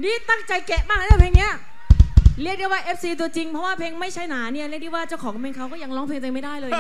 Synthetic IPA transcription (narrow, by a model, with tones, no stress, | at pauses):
niː˥˩t̪a˥˩ŋt͡ɕa˧jke˨˩ʔmaː˦˥˩knʰa˦˥˩pʰeː˧ŋni˦˥ɐ | ɾi˥˩k̚di˥˩waː˥˩ʔe˦˥p̚siː˧t̪̬u˧ət͡ɕi˧ŋpʰɾɔ˦˥waː˥˩pʰeː˧ŋma˥˩jt͡ɕʰa˦˥jnaː˩˦ni˦˥˩ɐɾi˥˩k̚i˥˩waː˥˩t͡ɕaː˥˩wkɔː˨˩˦ŋ˧pʰeː˧ŋkʰa˦˥wkɔː˥˩ja˧ŋlɔː˦˥pʰeː˧ŋt̪e˧ŋma˥˩jdaː˥˩jlɤː˧